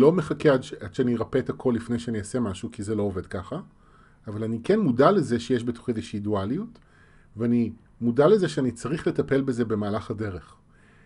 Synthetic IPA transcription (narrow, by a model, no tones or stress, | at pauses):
lo̞me̞χakeadʃad̥ʃeaniʁapeet̪akʰo̞lːifnejʃeaniasemaʃukizelo̞ove̞dkaχa | avalanikenmudale̞zeʃejeʃ̬bet̪o̥χiezeʃiːdualijut | veani | mudalezeʃeanit͡saʁiχle̞tape̞lbeze̞be̞maːlaχhade̞ʁeχ